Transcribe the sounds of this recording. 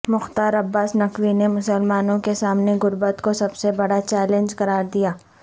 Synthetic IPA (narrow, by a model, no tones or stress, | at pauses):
mʊxt̪aːɾɐbːaːsnɐkʋinemʊsəlmaːnõkesaːmneɡʊɾbət̪kosɐbsebɐɽat͡ʃɛːlẽnd͡ʒkɐɾaːɾd̪ijaː